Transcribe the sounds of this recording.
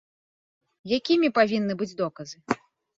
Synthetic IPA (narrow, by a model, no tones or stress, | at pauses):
jakʲimʲipavʲinːɨbɨd͡zʲd̪ɔkɐzɨ